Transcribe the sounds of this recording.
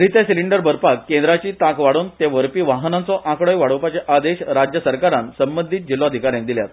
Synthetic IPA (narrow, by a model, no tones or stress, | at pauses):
ɾit̪esiliɳɖəɾbəɾpakːend̪ɾat͡ɕiːt̪akʋaɽuːnt̪eʋəɾpiːʋaɦnãnt͡sɔʔãkɽəjʋaɽəpat͡ɕeʔad̪eɕɾad͡ʑjəsəɾkaɾansəmbənd̪ʱit̪̚d͡ʑilːoəd̪ʱikaɾjãn̚d̪iljat̪